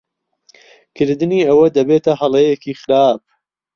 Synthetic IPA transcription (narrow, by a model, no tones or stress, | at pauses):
kʰɨɾd̪ɨniːɐwɐd̪ɐbeːt̪ɐɦɐlejekiːxɨɾaːb̚